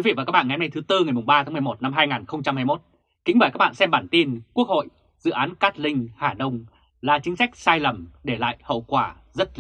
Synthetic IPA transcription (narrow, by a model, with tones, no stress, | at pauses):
i˨˦vḭ˧˨a˨˩kaː˦˥k̚ɓa̰ː˧˨a˨˦na˧jt̪ʰt̪ɨ˧ŋa˨˩jmʊ˨˩ŋ͡mɓaː˧aː˨˦ŋm˨˩jmo˨˩t̚na˧mɦaː˧jŋaː˨˩nxə˧wŋ͡mt͡ɕa˧mhaː˧jmo˦˥t̚ | kï˨˦ŋ̟vəː˧˩kaː˦˥k̚ɓ̰a̰ː˧˨nsɛ˧mɓaː˧˩nt̪i˧nku˦˥ək̚ho̰˧˨j | zɨ̰˧˨ʔaː˨˦nkaː˦˥t̚lï˧ŋ̟haː˧˩ɗə˧wŋ͡m | laː˨˩t͡ɕï˨˦ŋ̟sa˦˥k̚saː˧jlə˨˩mɗe˧˩la̰ː˧˨jhə̰˧˨wkwaː˧˩ | zə˦˥t̚